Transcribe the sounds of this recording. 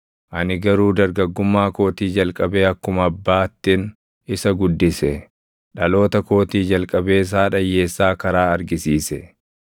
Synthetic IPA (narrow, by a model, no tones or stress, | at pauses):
ʔɐnɪɡɐɾuːd̪ɐɾɡɐɡːʊmːaːko̞ːt̪iːd͡ʒɐlkʼɐbe̞ːɐkːʊmɐbːaːt̪ːɪn | ɪsɐɡʊd̪ːɪsɛ | ᶑɐlo̞ːt̪ɐko̞ːt̪iːd͡ʒɐlkʼɐbe̞ːs̬aːᶑɐjːe̞ːsːaːkɐɾaːɐɾɡɪsiːsɛ